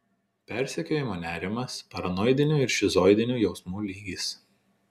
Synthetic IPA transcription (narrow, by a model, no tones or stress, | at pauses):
pʲæˑɾʲsʲɛkʲoːjɪmoːnʲæːɾʲɪmɐspɐɾɐnɔɪd̪ʲɪnʲuːɪɾʃʲɪzɔɪd̪ʲɪnʲuːjɛʊsmuːlʲiːɡʲiːs